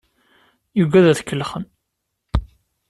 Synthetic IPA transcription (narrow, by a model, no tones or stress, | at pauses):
juɡæðæθkːəlːχən